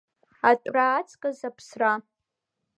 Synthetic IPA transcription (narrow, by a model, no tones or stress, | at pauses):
atʷʼraːt͡sʼkʼazapʰsra